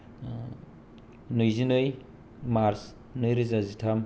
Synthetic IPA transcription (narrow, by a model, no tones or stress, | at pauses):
nojzinɯj | maɾs | nɯjɾizazitʰam